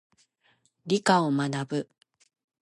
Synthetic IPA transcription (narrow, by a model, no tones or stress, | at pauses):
ɾʲikaomanabɯ̟